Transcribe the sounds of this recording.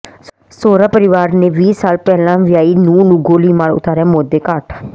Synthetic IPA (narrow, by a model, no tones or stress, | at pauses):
soːɾaːpəɾɪʋaːɾneːʋiːsaːlpɛːlãːʋɪjaːiːnũːnũːɡoːliːmaːɽʊ̰t̪aːɾaːmoːd̪ːeːkaːʈ